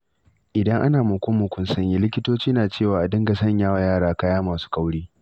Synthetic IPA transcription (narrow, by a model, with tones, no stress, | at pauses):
ʔɪ˨dɐ˦ŋʔa˦naː˨mʊ˨kʷʊ˦mːʊ˨kʷʊ˦nsɐ˦ɲji˦lɪ˦kʲɪ˦toː˦t͡ʃiː˦naː˨t͡ʃeː˦˨waː˨ʔa˨dɪ˦ŋɡa˨sɐ˦˨ɲjaː˦wa˨jaː˦˨ɽaː˨kaː˦jaː˦maː˨su̥ː˦ka˦wɽiː˦